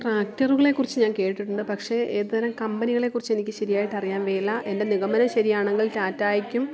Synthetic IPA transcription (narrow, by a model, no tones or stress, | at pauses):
ʈraːk̚tɐruɣɐɭe̞kːurit͡ɕːɨɲaːnke̞ːʈiʈːiʈːuɳɖɨpɐkʂe̞eːðuʋɐɾɐmkɐmbɐniɣɐɭe̞kːurit͡ɕːe̞nikʲːɨɕɐɾijaːjiʈːɐrijaːnʋeːlːɐʔe̞nde̞niɣɐmɐnɐmɕɐɾijaːɳɐŋɡɐɭtaːtːaːjɐkʲːum